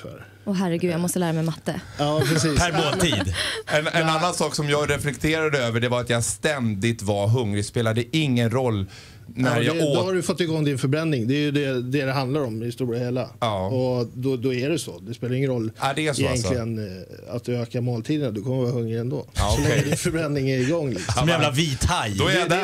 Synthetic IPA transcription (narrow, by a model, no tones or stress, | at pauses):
fœ̰ɾ | ɔɦæɾɛɡʉ̟d̪jamɔst̪əlæːɾamɛjmat̪ːəɑːpɾɛsiːpʰæɾboːiːd̪ɛnɛnnanːansɑːksɔmjɑɡɾɛflɛkt̪ʰeːɾad̪əøːvəɖɛvaɾat̪jaɡst̪ɛnd̪ɪt̪vaɾɦɵŋːɾɪspeːlad̪əʔɪŋːənɾɔlː | næɾjaod̪ɔhaɾɵfɔt̪ːɪɡɔŋd̪ɪnfœɾbɾɛnːɪŋd̪ɛjɵd̪ɛd̪ɛd̪ɛɦand̪laɾɔmhɪst̪uːɾheːlaɑːɔd̪ɔd̪ɔæɖɛsɔd̪ɛspeːlajʏɪŋːənɾɔlːad̪ɛæsɪjɛnksʰlɪɡəna̰t̪øːkaɾmoːlt̪ʰiːd̪ənad̪ɵkʰɔmːəɾvɑːɾaɦɵŋːɾɪɛnd̪o̰ːsɔlɛŋːəd̪ɪnfœɾbɾɛnːɪŋæɾɪɡɔŋːlɪksɔɛæːvlaviːt̪ajd̪ɔɛɾjad̪æ